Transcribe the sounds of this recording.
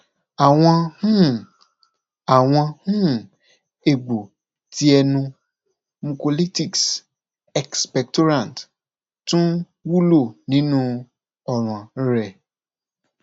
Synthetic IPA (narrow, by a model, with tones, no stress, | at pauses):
a˨w̃ɔ̃˧hũ˦ | a˨w̃ɔ̃˧hũ˦ | e˨ɡ͡bo˨ | ti˦ɛ˧nũ˧ | mũ˧ko˨li˦ti˨ks | ɛ˨kspɛ˨k̚to˦ɾã˨n˨t | tũ˦ | wu˦lo˦˨nĩ˨˦nũ˦ | ɔ˨ɾ̃ɔ̃˨˦ɾɛ˦˨